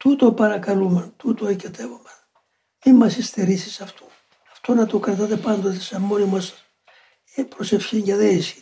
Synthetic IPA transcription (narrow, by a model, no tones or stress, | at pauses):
t̪ut̪opɐɾɐkɐlumɐnt̪ut̪oecet̪e̞vomen | imːɐsist̪eɾisi̥sɐft̪o | ɐft̪o̞nɐt̪o̞kɾɐt̪ɐt̪e̞pɐnd̪ot̪esɐmmːonimɐs | epɾose̞fçiɲɟɐðeisi̥